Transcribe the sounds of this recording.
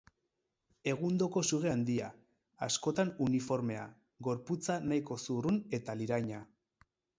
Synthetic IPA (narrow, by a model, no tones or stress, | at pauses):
e̞ɣund̪o̞ko̞suɣe̞and̪iaː | sko̞t̪anunifo̞ɾme̞a̰ | ɡo̞ɾput͡sanaiko̞surune̞t̪aliɾajɲa